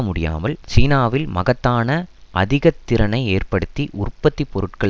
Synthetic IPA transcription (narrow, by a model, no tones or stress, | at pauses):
mʊɽɪja̰ːmɐlt͡ʃiːnaːʋɪlmɐɣɐt̪ːaːnɐʔɐ̰ðɪɣɐt̪ːɪɾɐnɐɪeːrpɐɽɯt̪ːiʔʊrpːɐt̪ːipɔɾɯʈkɐɭ